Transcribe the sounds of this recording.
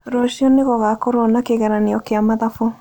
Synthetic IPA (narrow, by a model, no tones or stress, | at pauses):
ɾɔʃiɔneɣɔɣakɔɾɔnakeɣɛɾaneɔkeamaðafo